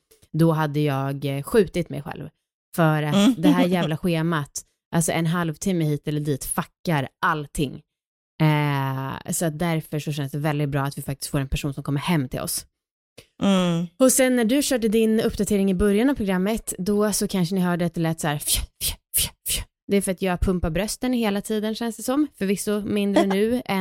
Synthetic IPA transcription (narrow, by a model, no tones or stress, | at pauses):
d̪ɔɦad̪ːəjɑːɡɧʉ̟ːt̪ɪt̪mɛ̰jɧɛ̰lv | fœɾat̪d̪ɛɦæːjæːvlaɧeːmat̪ | ʔalsɔʔɛnɦalvt̪ʰɪmːəhiːt̪ɛlːəɖiːt̪fakːaɾʔalt̪ʰɪŋː | sɔat̪̚d̪æɾfœʂɔʃɛnəsd̪ɛvɛld̪ɪt̪̚bɾɑːat̪vɪfak̚t̪ɪsk̪foːɾɛnpʰæʂuːnsɔmkʰɔmːəɾhɛmːt̪ʰɪ̰lɔ̰s | ɔsɛnːæɖɵɕœːʈ̬əd̪ɪnɵpːd̪at̪ʰeːɾɪŋɪbœɾjanavpʰɾʊɡɾamːət̪d̪ɔsɔkʰanʂənɪɦœːɖɛat̪̚ːɛlɛːt̪ːshæːɾffff | d̪ɛæɾfœɾat̪jɑːɡpʰɵmpaɾbɾœst̪ənheːlat̪ʰiːd̪ənɕɛnsd̪ɛsɔmfœɾvɪsːʊmɪnd̪ənʉ̟ːɛ